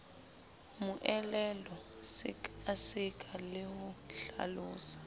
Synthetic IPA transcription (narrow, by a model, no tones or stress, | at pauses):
mʊʔɛlɛlɔ | sɪasɪkʼʰalɪhʊɬa̰lʊːsḁ